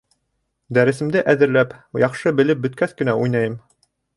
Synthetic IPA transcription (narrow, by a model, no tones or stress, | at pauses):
d̪æɾɘ̆sɘ̆md̪ɘʔæðɘ̆ɾlæpjɑχʃɤbɘ̆lɘp̚bɵ̆t̪̚kæθkɘ̆næujnɑjɤm